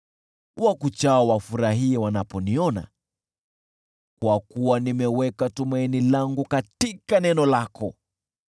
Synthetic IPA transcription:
wakut͡ʃaawafuɾaɦiɛwanapɔniɔna̰ | kwakuwanimɛwɛkatumainilaŋɡukatikanɛnɔlakʰɔ

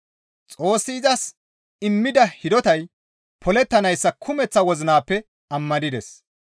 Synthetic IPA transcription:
t͡sʼo̞ːsːɪːzɐs | ɪmːɪd̪ɐhɪd̪ɔt̪ɐj | pʰɔlɛt̪ːɐnɐjsːɐkʰʊmɛt͡sːɐwɔzɪnaːpːɛ | ɐmːɐd̪ɪd̪ɛs

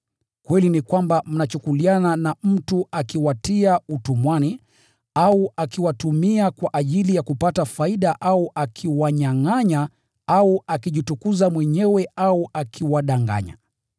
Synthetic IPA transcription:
kwɛlinikwambam̩nat͡ʃukuliananam̩tuakiwatiautumwani | auakiwatumiakwaʔaʄilijakupatafaiɗaʔauʔakʰiwaɲaŋaɲa | auakiʄitukuzamwɛɲɛwɛauakʰiwaɗaŋɡa̰ɲa̰

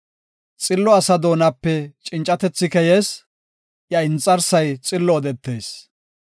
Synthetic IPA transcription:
t͡sʼɪlːɔɐsɐd̪o̞ːnɐpːɛt͡ʃʼɪnt͡ʃʼɐt̪ɛt͡sːɪkɛjes | jɐɪnt͡sʼːɐɾsɐjt͡sʼɪlːɔːd̪ɛt̪ːeːs

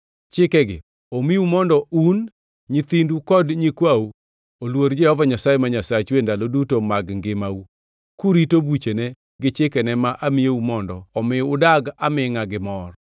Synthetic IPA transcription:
t͡ʃɪkɛɡɪ̰ | omiumɔndɔun | ɲɪt̪indukɔdɲikwau | olwoɾd͡ʒeɔvɔɲasajɛmaɲasat͡ʃwendalodutomaɡŋɡɪmau | kuɾitobut͡ʃene | ɡɪt͡ʃɪkɛnɛmaʔamɪjeumɔndɔ̰ːmɪʊdaɡamɪŋaɡɪmɔr

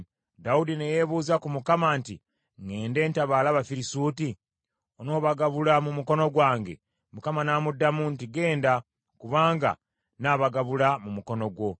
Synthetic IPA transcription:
daudineje̞βuːzakumukamantḭ | ŋe̞ːnde̞ːntaβalaβafiɾisuːti | ono̞ːβaɡaβulamumuko̞no̞ɡwaːŋɡe̞̰ | mukamanaːmudːamuntiɡe̞ːnda | kuβaːŋɡa̰ | naːβaɡaβulamumuko̞no̞ɡwo̞

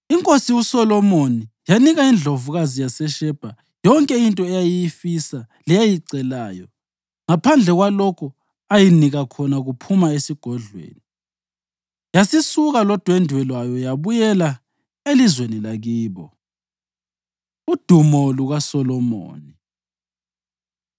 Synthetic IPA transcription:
iŋkʼosiwusɔlɔmonijaniɣaind͡ɮʱovuɣazijasɛʃɛb̥ʱa | jɔŋkʼɛintʼɔɛjajijifisa | lijajiǀɛlaːjɔ | ŋapʰand͡ɮʱɛɣwalɔkʰɔ | ajiniɣakʰɔnaɣupʰumaesiɡ̥ʱɔɮwḛːni | jasisuɣalɔd̥ʱwendʱwɛlwajɔjaβujɛla | elizwenilaɣiːβɔ | ud̥ʱumɔluɣasɔlɔmo̰ːni

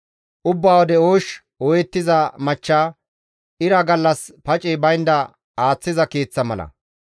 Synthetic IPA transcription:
ʔʊbːaːwɔd̪ɛoːʃ | ɔjɛt̪ːɪzɐmɐt͡ʃːaː | ʔɪɾɐɡɐlːɐspɐt͡ʃʼɪbɐjnd̪ɐ | aːt͡sːɪzɐkeːt͡sːɐmɐ̰lɐ̰

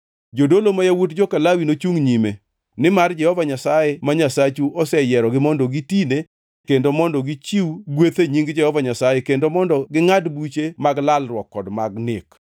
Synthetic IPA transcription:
d͡ʒodolomajawutd͡ʒokalawinot͡ʃuŋɲime | nɪmard͡ʒɛhɔvaɲasajemaɲasat͡ʃuɔsɛjɛɾɔɡɪmɔndɔɡitine | kendomɔndɔɡit͡ʃiwɡwet̪eɲiŋɡd͡ʒɛhɔvaɲasajekendomɔndɔɡɪŋadbut͡ʃemaɡlalrwɔkːɔdmaɡnɪk

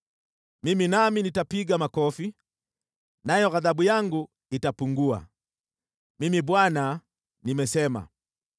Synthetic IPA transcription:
miminaminitapiɡamakɔfi | najɔɣaðabujaŋɡu | itapuŋɡua̰ | mimibwana | nimɛsɛma̰

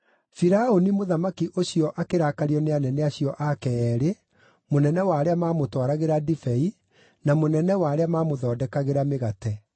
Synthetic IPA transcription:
fiɾaonimoðamakiʔoɕijɔʔakeɾakaɾiɔneanɛnɛaɕiɔʔakɛɛːɾe | monɛnɛwaːɾeamaːmotwaɾaɣeɾadifɛi | namonɛnɛwaːɾeamaːmoðɔːdɛkaɣeɾameɣatɛ

